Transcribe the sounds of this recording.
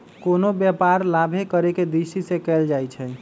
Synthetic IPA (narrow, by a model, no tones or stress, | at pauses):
konobjɛpaɾlabʱekəɾeked̪isisekɛld͡ʒajt͡ʃʰɛ